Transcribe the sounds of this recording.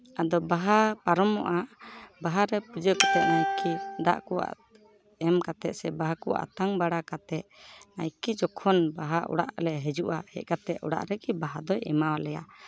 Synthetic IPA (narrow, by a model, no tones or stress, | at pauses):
ad̪ɔbaɦapaɾɔmɔʔabaɦaɾɛpɾud͡ʒəkɔt̪ɛʔ̪̚najkid̪a̰ʔkɔwa̰ʔ | ɛmkat̪ɛt̪̚sɛbaɦakɔʔa̰ʔt̪aŋbaɽakat̪ɛʔ̪̚najkid͡ʒɔkʰɔnbaɦaʔɔ̰ɽa̰ʔlɛɦɛd͡ʒuʔahɛ̰ʔ̚kat̪ɛʔɔɽa̰ʔɾɛɡibaɦad̪ɔjɛ̰mawalɛja